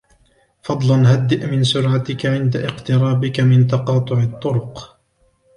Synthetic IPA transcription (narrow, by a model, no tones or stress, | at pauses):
fɑd̪ˤlɑnhad̪ːɪʔmɪnsʊɾʕat̪ɪkaʕɪnd̪aʔɪqt̪ɪɾˤɑːbɪkamɪnt̪ɑqɑːt̪ˤʊʕɪt̪ˤːʊɾʊq